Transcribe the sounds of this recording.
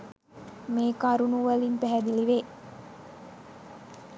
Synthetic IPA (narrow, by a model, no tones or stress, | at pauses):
meːkaɾunuʋɐlimpæɦæd̪iliʋe